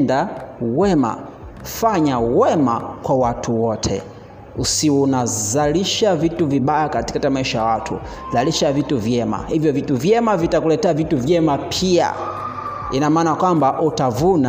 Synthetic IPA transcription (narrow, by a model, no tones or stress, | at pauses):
dawɛma̰ | faɲawɛmakwawatʰuwɔtʰɛ̰ | usiwunazaliʃavituviɓajakati̥katamaiʃajawatʰṵ | zaliʃavituvjɛma̰hivjɔvituvjɛmavitakulɛtɛavituvjɛmapʰia̰ | inamaːnakwambaʔutavuna